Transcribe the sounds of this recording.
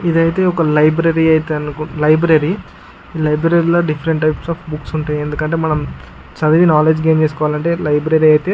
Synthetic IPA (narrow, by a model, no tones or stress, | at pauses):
id̪ɐjt̪eːɔkɐlɐjbɾɐɾiɐjt̪eɐnkulɐjbɾɐɾi | iːlɐjbɾɐɾiloːɖifʰɐɾeɳʈːɐjpsaːfbuksuɳʈund̪iend̪ukɐɳʈe̞ːmɐnɐm | t͡ʃɐd̪ɐʋinaːleːd͡ʒɡeːmt͡ʃesukɔʋalɐɳʈe̞ːlɐjbɾɐɾiɐjt̪eː